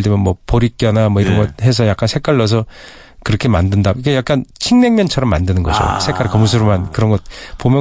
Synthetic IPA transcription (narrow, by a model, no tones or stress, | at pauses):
t͈emjʌnmwʌpoɾik̚k͈jʌnamwʌiɾʌnɡʌt̚he̞s̬ʰʌjak͈̚ansʰe̞k͈aɭːʌs̬ʰʌ | kɯɾʌkʰe̞mandɯndaikejak̚k͈ant͡ɕʰiŋne̞ŋmjʌnt͡ɕʰʌɾʌmːandɯnɯnɡʌd͡ʑo̰sʰek͈aɾkʌmusʰɯɾomankɯɾʌnɡʌt̚pomjʌ